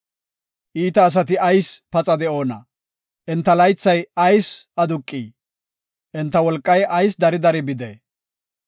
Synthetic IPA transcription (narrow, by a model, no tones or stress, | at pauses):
ʔiːt̪ɐːs̬ɐt̪ɪɐjspɐt͡sʼɐd̪ɛʔo̞ːnɐ̰ | ʔɛnt̪ːɐlɐjt͡sːɐjɐjsɐd̪ʊkʼːiː | ʔɛnt̪ːɐwɔlkʼːɐjɐjs̬d̪ɐɾɪd̪ɐɾɪbɪd̪ḛː